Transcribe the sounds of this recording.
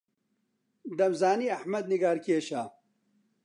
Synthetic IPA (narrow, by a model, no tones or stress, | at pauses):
d̪ɐmzaːniːɐħmɐd̪̚niɡaːɾkeːɕaː